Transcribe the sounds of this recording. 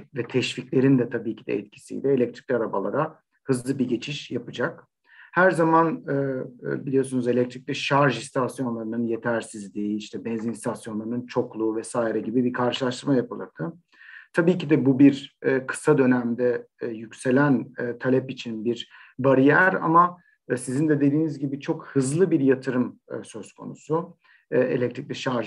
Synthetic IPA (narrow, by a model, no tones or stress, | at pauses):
vɛt̪ʰɛʃficlʲe̞ɾind̪ɛt̪ʰabiːcʰid̪ɛ̰ɛt̪cʰi̥sḭjd̪ɛelʲɛc̚t̪ʰɾicʲlʲaɾaba̰lˠa̰ɾa | hɯzlˠɯbiɟe̞t͡ʃʰiʃjapɯd͡ʒak | hæɾzamanɯːbilʲijo̞ɾsunuze̞lʲɛc̚t̪ɾic̚ʲlʲiʃaɾʒist̪ʰasjo̞nlˠaɾɯnɯnjet̪ʰæɾsizlʲiːiʃt̪ʰɛbɛnzinst̪ʰasjo̞nlˠaɾɯnɯnt͡ʃʰo̞klˠuːvɛsaːiɾɛɟibibikʰaɾʃɯlˠaʃt̪ɯɾmajapʰɯlˠa̰d̪ʰɯ | t̪ʰabiːcid̪ɛbubiɾːkʰɯ̥sad̪ø̞næmd̪ɛjycse̞lʲænːt̪ʰalʲɛpit͡ʃʰinbiɾ | baɾijæɾa̰ma | sizind̪ɛd̪e̞d̪iːnizɟibit͡ʃʰo̞khɯzlˠɯbiɾjat̪ʰɯɾɯmɯ̰sø̞zkʰo̞̰nṵsu | e̞̰lʲɛct̪ɾic̚ʲlʲiʃaɾʒ